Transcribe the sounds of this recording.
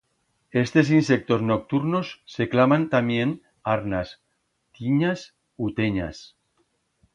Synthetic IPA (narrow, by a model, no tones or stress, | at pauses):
e̞st̪e̞s̬inse̞k̚t̪o̞zno̞k̚t̪uɾno̞sːe̞klamant̪amje̞n | aɾnas | t̪iɲas | ut̪eɲa̰s